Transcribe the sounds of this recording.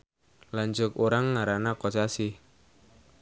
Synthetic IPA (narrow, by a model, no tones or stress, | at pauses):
laɲd͡ʒʊkoɾaŋːaɾanakɔt͡ʃasi